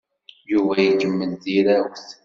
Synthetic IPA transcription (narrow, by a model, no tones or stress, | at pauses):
juvæjəɡəmːənðiɾæwθ